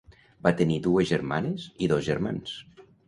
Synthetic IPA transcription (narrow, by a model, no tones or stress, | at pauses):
bat̪eniðuezʒeɾmaneziðɔzʒeɾmans